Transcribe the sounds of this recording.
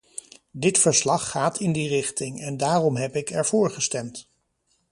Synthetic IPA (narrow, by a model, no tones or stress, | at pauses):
dɪtfəɹslɑχːaːtʰɪndirɪχtɪŋɛndaːrɔmɦɛpɪkɛɹvʊːɹχəstɛmt